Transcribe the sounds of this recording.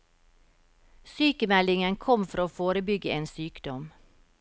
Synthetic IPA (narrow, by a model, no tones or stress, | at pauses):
syːkəmɛlɪŋənkʰɔmfɔɾoːfoːɾəbʏɡəeːnsyːkd̪̥ɔm